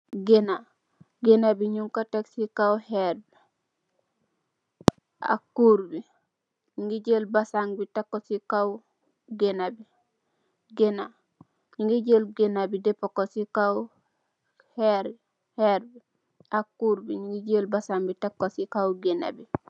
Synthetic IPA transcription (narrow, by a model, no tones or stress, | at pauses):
ɡena | ɡenabiɲuŋkateksikawheɾbi | a̰kːuɾbi | ɲiŋɡiɟelbasaŋbitakːosikaw | ɡenabi | ɡena | ɲiŋɡiɟelɡenabidepokosika | heɾ | heɾbi | akːuɾbiɲiŋɡiɟelbasaŋbitakːosikawɡena̰bi